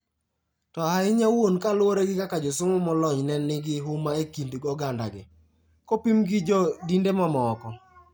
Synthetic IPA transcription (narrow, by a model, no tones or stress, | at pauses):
tɔhaɪɲawonkalwoɾeɡɪkakad͡ʒɔsʊmʊmɔlɔɲnɛnːɪɡɪɦʊmaekindɡɔɡanda̰ɡɪ | kopimɡɪd͡ʒɔdindemɔmɔkɔ